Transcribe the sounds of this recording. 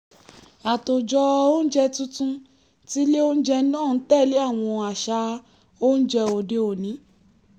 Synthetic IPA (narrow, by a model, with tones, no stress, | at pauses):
a˨to˨d͡ʒɔ˧o˦n̩˦d͡ʒɛ˧tũ˦tũ˧ | ti˦le˦o˦n̩˦d͡ʒɛ˧˦nãː˦˨˦tɛ˦˨le˨˦a˦˨w̃ɔ̃˧a˨ʃa˧˦ | o˦n̩˦d͡ʒɛ˧o˨de˧o˨nĩ˨˦